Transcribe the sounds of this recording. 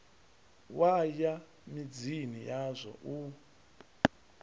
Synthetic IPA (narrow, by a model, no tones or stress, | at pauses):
waja | mid͡zinijazʷɔ̰ʔu